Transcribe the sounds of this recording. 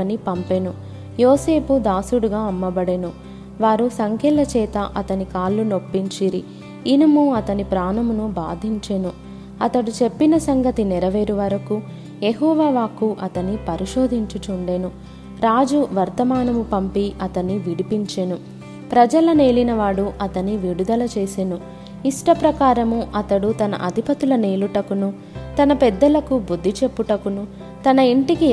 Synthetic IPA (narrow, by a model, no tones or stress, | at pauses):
ɐnipɐmpe̞nu | jɔːseːpud̪aːsuɽuɡaːɐmːɐbɐɽenu | ʋaːɾusɐŋkʰɛːlɐt͡ʃɛːt̪ɐʔɐt̪ɐnikaːlːuno̞pːiɲt͡ʃiɾi | inɐmuɐt̪ɐnipɾaːnɐmunuba̰ːd̪ʱiɲt͡ʃenu | ɐt̪ɐɽut͡ʃe̞pːinɐsɐŋɡɐt̪inɛɾɐʋeːɾuʋɐɾɐku | jeɦɔːʋaːʋaːkuʔɐt̪ɐnipɐɾiʃoːd̪ʱiɲt͡ʃut͡ʃuɳɖe̞nu | ɾaːd͡ʒuʋɐɾt̪ɐmaːnɐmupɐmpiʔɐt̪ɐnːiʋiɽipiɲt͡ʃeːnu | pɾɐd͡ʒɐlɐne̞ːlinɐʋaːɽuʔɐt̪ɐnːiʋiɽud̪ɐlɐt͡ʃe̞ːsenu | iʂʈɐpɾɐkaːɾɐmuʔɐt̪ɐɽut̪ɐnɐ̰ʔɐd̪ʱipɐt̪ulɐneːluʈɐkunu | t̪ɐnɐpɛd̪ːɐlɐkubud̪ʱːit͡ʃe̞pːuʈɐkunu | t̪ɐnɐiɳʈiki